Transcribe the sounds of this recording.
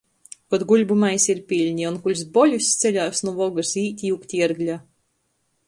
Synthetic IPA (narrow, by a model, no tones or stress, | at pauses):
kɔt̪ɡuʎʲbumajsiɾpʲilʲɲiunkulʲsbɔlʲust̪sɛʎʲaːsnuvɔɡɨsiːt̪ʲjukt̪ʲiɛɾɡlʲa